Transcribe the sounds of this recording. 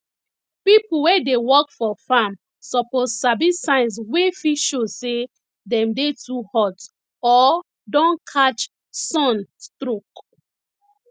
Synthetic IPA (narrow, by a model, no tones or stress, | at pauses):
pipuwedewɔkfɔfam | sɔpozsabĩsãɪ̃ns̬wefiʃose | dɛ̃mdetʰuhɔt | ɔ | dɔ̃nkʰat͡ʃ | sɔ̃nstɾok